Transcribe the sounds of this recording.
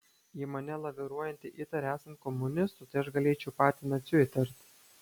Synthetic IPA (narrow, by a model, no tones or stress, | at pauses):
jiːmɐnʲɛlˠɐʋʲɛɾuɔjɛnʲt̪ʲɪʔiːt̪ɐɾʲæːsɐnt̪̚kɔmːʊnʲɪst̪ʊt̪ɐɪɐʃɡɐlʲeːt͡ʃʲɛʊpɑːt̪ʲiːnɐt̪ʲsʲɪt̪ʲɐɾʲt̪ʲ